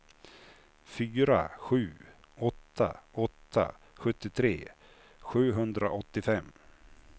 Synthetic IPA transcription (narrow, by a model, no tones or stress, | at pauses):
fyːɾa̰ɧʉ̟ː | ɔt̪ʰːa̰ɔt̪ʰːa̰ | ɧɵt̪ːɪt̪ʰɾeː | ɧʉ̟ːɦɵnd̪ɾaʔɔt̪ːɪfɛmː